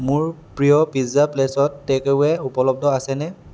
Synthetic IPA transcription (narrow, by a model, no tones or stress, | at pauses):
mʊɹpɹijɔpizaplesɔtːɛkeɛupɔlɔb̚dʱɔasɛnɛ